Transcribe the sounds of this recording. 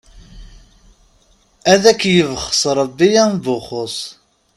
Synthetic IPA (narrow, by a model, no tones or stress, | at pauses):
æðækːjəvχəsˤɾˤəbːijænbʊχʊsˤ